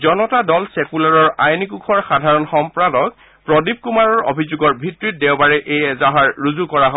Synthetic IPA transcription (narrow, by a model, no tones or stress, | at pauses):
zɔnɔtadɔlsɛkulaɹɔɹajnikukʰɔɹxadʱaɹɔnxɔmpɹadɔk̚ | pɹɔdib̚kumaɹɔɹo̰bʱizuɡɔɹbʱitɹit̚dɛwbaɹɛʔejɛzaɦaɹɹuzukɔɹaɦo